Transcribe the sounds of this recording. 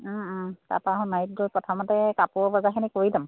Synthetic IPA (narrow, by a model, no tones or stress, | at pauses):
ta̰taɦɔ̃najt̚dɔjpɹɔtʰamɔtɛkapʊɔbazakʰinɛkoɹilam